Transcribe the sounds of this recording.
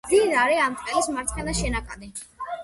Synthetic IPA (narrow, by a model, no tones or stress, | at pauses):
inaɾɛamtʼɛlismaɾt̪ʰχʰɛnaʃɛnakʼad̪ɛ